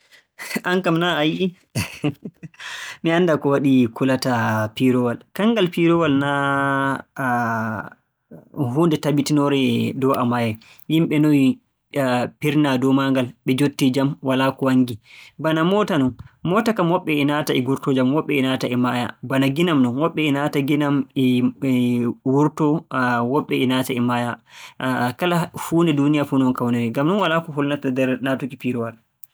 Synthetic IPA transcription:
ʔaŋkamnaaj | miandakɔwaɗikulatapiɾɔwalkaŋɡalpiɾɔwalna | ɦuːndɛtabitinɔɾɛdɔʔamajɛ | jimɓɛnɔji | piɾnadɔmaŋɡalɓɛd͡ʒotːid͡ʒamwalakɔwaŋɡibanamɔtanɔnmɔtakamwɔɓːɛinataɛɡuɾtɔd͡ʒamwɔɓːɛinataɛmaja̰banaɡinamnɔnwɔɓːɛinataɡinamɛ | wuɾtɔwɔɓːɛinataɛmaja | kalafuːndɛdunijafuːnɛɔnkawnɛɾɛɡamnɔnwalakɔɦulnatadɛɾnatukipiɾɔwal

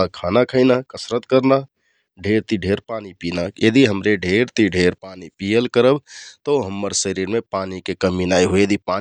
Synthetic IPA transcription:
akʰanakʰəɪnakəsɾət̪kəɾna | ɖʱeɾt̪iɖʱeɾpanipinajed̪iɦəmɾeɖʱeɾt̪iɖʱeɾpanipijəlkəɾəbt̪əɦəmːəɾsəɾiɾmepanikekəminajɦojed̪ipa

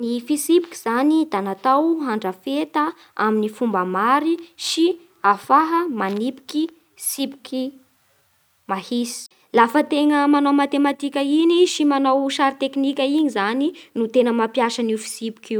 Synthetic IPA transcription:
nifisipi̥kʲi̥z̥anid̪anat̪awɦaɳɖ͡ʐəfet̪ə | a̰minifumbəmaɾiʃi | afaɦəmanipi̥kʲi | sipi̥kʲi | mahisi̥ | lafət̪eŋəmanomat̪emat̪ikʲəiniʃimanawʃaɾit̪eknikʲainizaninut̪enəmapjaʃənifi̥sipi̥kʲi

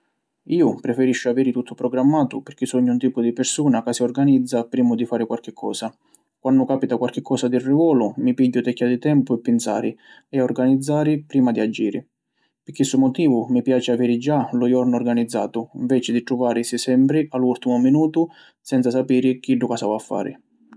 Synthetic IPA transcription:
iːʊpɾɛfɛɾiʃːʊavɛːɾɪt̪ut̪ːʊpɾɔɡɾamːaːt̪ʊpɪɾk̟ɪsɔɲːʊunt̪iːpʊd̪ipɪɾsuːnakasiɔrɡanid̪zːapɾiːmʊd̪ifaːɾɪkwalk̟ɪkʰːɔ̰ːsa | kwʔanːʊkaːpit̪akwalk̟ɪkʰːɔːsad̪ɪrːivɔːlʊmipiɟːʊt̪ɛkʰʲːad̪it̪ɛmpʊɛpːɪnsa̰ːɾɪ | ɛɔrɡanid̪zːaːɾɪpɾiːmad̪iad͡ʒiːɾɪ | pɪɾk̟ːisʊmʊt̪iːvʊmipjaːt͡ʃɪavɛːɾɪd͡ʒalʊjɔrnɔrɡanid̪zːa̰ːt̪ʊiɱvɛːt͡ʃɪd̪it̪ɾuvaːɾɪsisɛmpɾɪalːult̪imʊminuːt̪ʊ | sɛnt̪sasapiːɾɪk̟iɖʊkasavafːa̰ːɾɪ̰

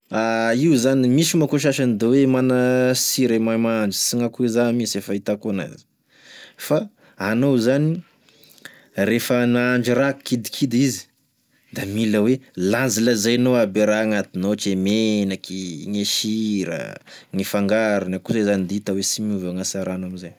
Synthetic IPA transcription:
aiuzanimisimakoʃ̬aʃanid̪ewemanəsiɾemajmaɳd͡ʒi̥siŋakuezamisefait̪akona̰zi̥ | faː | nowzani | ɾefənaɳd͡ʒiɾakid̪i̥kʰid̪izi̥ | d̪amiləwelaziləzajnoabeɾaŋat̪inot͡ʃemenakiŋeʃiɾə̰ŋifaŋɡaɾanakuzazanid̪it̪awesimiuvaŋasaɾanamizaj

